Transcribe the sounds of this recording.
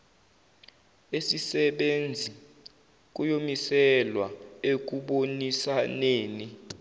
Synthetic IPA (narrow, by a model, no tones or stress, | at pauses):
esisɛɓend͡zʱi | k̬ujomisɛlwa̰ek̬uɓonisaneːni